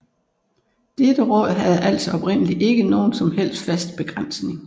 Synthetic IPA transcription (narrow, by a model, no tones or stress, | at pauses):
d̥ed̥əʁɔð̰ˠɦæð̞̩ˠæl̰sɒɒ̽b̥ʁen̰əliʔe̝ɡ̥əno̝ːn̩sɒ̽mɦel̰sd̥fæsd̥b̥e̝ɡ̥ʁan̰sne̝ŋ